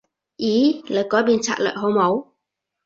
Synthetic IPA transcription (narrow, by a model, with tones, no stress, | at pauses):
ʔiː˨˥ləː˨˩jkɔː˨˥jbiː˧nt͡sʰa̰ː˧˩t̚lə̰ː˧˨jɦo˨˥wmo˨˧˥w